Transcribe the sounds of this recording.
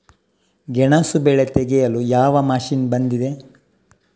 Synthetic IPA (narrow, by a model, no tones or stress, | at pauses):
ɡɛɳasubɛɭet̪eɡɛjɐlujaːʋɐmaːʃiːnbɐnd̪id̪e̞